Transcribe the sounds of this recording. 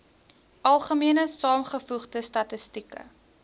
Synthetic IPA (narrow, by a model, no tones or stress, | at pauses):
ʔɐlˠχəmiənəsɑːmχəfuχdəstɐtəstikə̰